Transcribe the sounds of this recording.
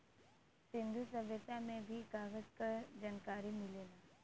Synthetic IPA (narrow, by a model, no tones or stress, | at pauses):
sɪ̃nd̪ʱusɐbjət̪amẽbʱiɡaːɡəd͡ʒkad͡ʒaːnkaːɾimɪleːlaː